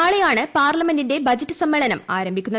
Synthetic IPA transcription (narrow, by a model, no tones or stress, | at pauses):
aːɭejaːɳɨpaːrlɐmendinde̞bɐd͡ʑɐtːɨsɐmːeɭɐnɐmaːɾɐmbʱikʲːunːɐ